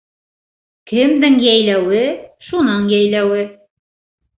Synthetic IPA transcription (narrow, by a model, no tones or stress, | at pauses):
kɘ̆md̪ɘŋjæjlæwɘʃunɤɴjæjlæwɘ